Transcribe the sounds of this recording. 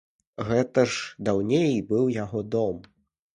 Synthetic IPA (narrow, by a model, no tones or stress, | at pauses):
ɣɛt̪ɐʐd̪awnʲejbɨwjaɣɔd̪ɔm